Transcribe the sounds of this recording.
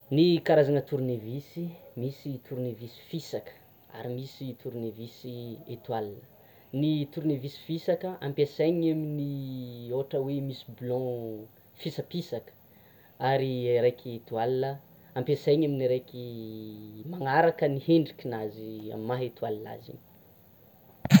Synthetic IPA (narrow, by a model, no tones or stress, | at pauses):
nikaɾazanət̪uɾnevisimisit̪ʰuɾnevisi̥fisakə̥ | a̰ɾimisit̪ʰuɾnevisiet̪walinə | nit̪uɾnevisi̥fisakəã̰mpesajɲaminioʈ͡ʂəwemisi̥blɔ̃ | fisapisakə̥ | aɾiɾejkʰiet̪ualinə | ãmpesajɲaminiɾejki | maŋaɾakəniheɳɖ͡ʐikʲinazia̰mmaɦet̪ualina̰zḭn